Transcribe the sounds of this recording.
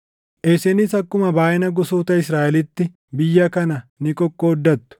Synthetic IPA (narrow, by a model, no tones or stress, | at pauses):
ʔesɛnɪsɐkːʊmɐbaːʔɪnɐɡʊsuːt̪ɐɪsɾaːʔɛlɪt̪ːɪ | bɪjːɐkɐnɐnɪkʼɔkʼːoːd̪ːɐt̪ːʊ̥